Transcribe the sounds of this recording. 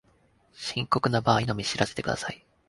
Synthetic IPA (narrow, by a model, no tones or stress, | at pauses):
ɕĩŋko̞kɯ̟nabaːinomʲiɕiɾase̞t̪e̞kɯ̟d̪a̰sai